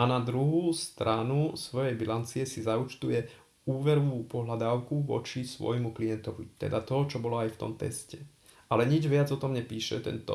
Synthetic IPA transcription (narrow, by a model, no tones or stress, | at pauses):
anad̪ɾuɦuːst̪ɾanusʋɔjɛjbilant͡siɛsizaut͡ʃt̪ujɛ | uːʋɛɾɔʋuːpɔɦlad̪aːʊkuʋɔ̰t͡ʃisʋɔ̰jmuklijɛnt̪ɔʋḭt̪ɛ̰d̪at̪ɔt͡ʃɔbɔlɔajft̪ɔ̰mt̪ɛ̰scɛ | ʔalɛɲid͡ʒʋɪad͡zɔt̪ɔmɲɛpiːʃɛt̪ɛ̰nt̪ɔ̰